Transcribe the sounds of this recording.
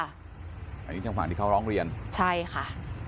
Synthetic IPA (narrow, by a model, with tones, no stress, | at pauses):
ʔa˨˧˩niː˦˥˩a˧ŋfwaː˨˩t̪ʰiː˥˩ka˥˩ɾɔː˦˥ŋɾi˧ənt͡ɕʰa˥˩jxʰa˥˩